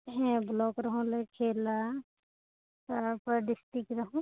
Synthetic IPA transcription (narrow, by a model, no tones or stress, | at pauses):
ɦɛ̃blɔːkɾɐɦũlekʰeːla | tɔpəɾɖɪsʈɾɪkɾɐɦũ